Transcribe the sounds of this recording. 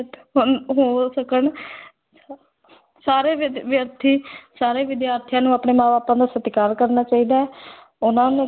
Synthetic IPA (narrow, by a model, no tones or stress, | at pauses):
ɦʊnɦoːsəkəɳ | saːɾeːʋjəɾt̪ʰiːsaːɾeːʋɪd̪jaːɾt̪ʰɪjãːnũːapɳeːmãːʋaːpãːd̪aːsət̪kaːɾkəɾnaːt͡ʃaːiːd̪aːɛː | ʊnãːnũː